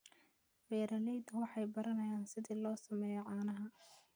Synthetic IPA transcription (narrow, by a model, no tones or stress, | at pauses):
bɛːɾɐlɛjd̪wɑħɑjbɐɾɐnɐjaːnsɪðiːlɔːsɐmɛːjɛʕɑːnɐɦɐ